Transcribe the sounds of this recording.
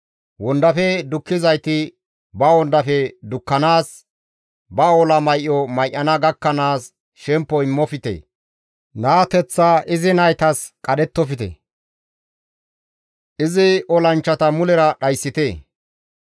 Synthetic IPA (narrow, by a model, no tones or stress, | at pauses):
wɔnd̪ɐfɛd̪ʊkːɪzɐjt̪ɪ | bɐwɔnd̪ɐfɛd̪ʊkːɐnaːs | bɐɔlɐmɐjʔːɔmɐjʔːɐnɐɡɐkːɐnaːs | ʃɛmpːɔɪmːɔfɪt̪ḛː | naːt̪ɛt͡sːaʔɪzɪnɐjt̪ɐskʼɐɗɛt̪ːɔfɪt̪ḛ | ʔɪzɪʔɔlɐnt͡ʃːɐt̪ɐmʊlɛɾɐɗɐjsːɪt̪eː